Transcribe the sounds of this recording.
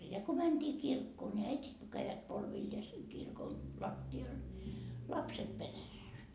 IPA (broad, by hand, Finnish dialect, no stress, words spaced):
jɑ ko mænd̥iː kirkːoː nʲi æitit ko kæiʋæt polʋilːeːseŋ kirkon lɑtːiɑl lɑpset peræsːæ